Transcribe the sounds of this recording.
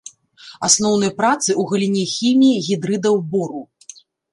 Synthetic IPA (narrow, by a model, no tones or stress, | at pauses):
asnɔwnɐjpɾat̪sɨuɣɐlʲinʲɛxʲimʲijiɣʲid̪ɾɨd̪ɐwbɔɾu